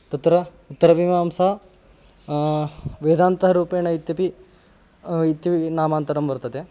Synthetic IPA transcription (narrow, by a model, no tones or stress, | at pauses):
t̪ɐt̪ɐɾɐ | ut̪ːɐɾɐʋimaːmsaɐ | ʋeːd̪aːnt̪ɐɦɐɾuːpeːnɐit̪jɐpi | it̪jɐinaːmaːnt̪ɐɾɐmʋɐɾt̪ɐd̪e